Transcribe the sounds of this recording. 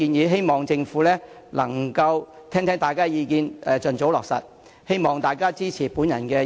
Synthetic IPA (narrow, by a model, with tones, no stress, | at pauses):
iː˧njiː˨˧ɦe˥jmɔː˨ŋt͡sɪ˧ŋfuː˨˥lɛː˥ | lɐ˨˩ŋkɐ˧w | t̪ʰɛː˥ŋt̪ʰɛː˥ŋt̪aː˨jkaː˥jiː˨˧kiː˨nɛː˨t͡ʃɵ˨nt͡so˨˥wlɔː˨k̚sɐ̰˨t̚ | he˥jmɔː˨˩ŋt̪aː˨jkaː˥t͡siː˥t͡sʰiː˨˩puː˨˥njɐ̰˨˩nkɛː˧